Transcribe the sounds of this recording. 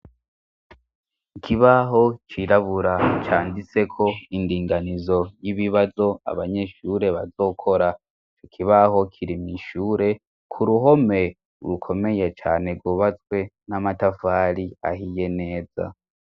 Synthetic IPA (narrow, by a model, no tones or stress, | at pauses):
ikʰiβaɦo̞t͡ʃiɾaβuɾat͡ʃaːndit͡se̞kʰo̞indiːŋɡanizo̞jiβiβazo̞a̰βaɲe̞ʃuːɾe̞βa̰zo̞ːkʰo̞ɾa | it͡ʃokʰiβaho̞kʰiɾimiʃuːɾe̞ | kʰuɾuɦo̞me̞ | ṵɾukʰo̞me̞je̞t͡ʃa̰ːne̞ɡoβat͡swe̞namatafaːɾia̰hije̞ne̞ːza̰